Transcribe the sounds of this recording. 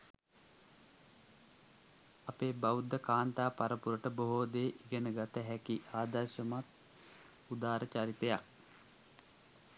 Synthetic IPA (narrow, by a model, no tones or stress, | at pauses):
apeːbaud̪ːəkaːnt̪aːpaɾəpuɾəʈəboɦoːd̪eːʔiɡənəɡat̪əɦɛkiʔaːd̪ɐrʃəmat̪ | ud̪aːɾʔət͡ʃaɾit̪ejak̚